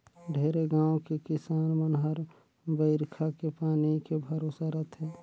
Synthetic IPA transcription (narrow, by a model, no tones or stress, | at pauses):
ɖʱeːɾeɡãːõkekɪsaːnmənɦəɾ | bəɪɾkʰakepaːnikebʱəɾoːsaɾət̪ʰɦɛː